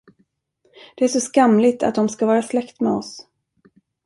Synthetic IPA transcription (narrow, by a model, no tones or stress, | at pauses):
d̪̥ɛæʂɔskamlɪt̪ʰa̰t̪̚d̪ɔmskavɑːɾaslɛkt̪mɛɔs